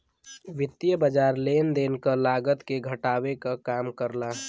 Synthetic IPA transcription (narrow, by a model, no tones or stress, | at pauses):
ʋɪt̪ːijəbəd͡ʒaːɾleːnd̪eːnkəlaːɡət̪keɡʱəʈaːwekakaːmkəɾla